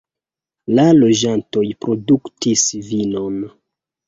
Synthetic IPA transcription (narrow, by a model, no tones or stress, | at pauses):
lalo̞d͡ʒanto̞jpɾo̞duktisvino̞n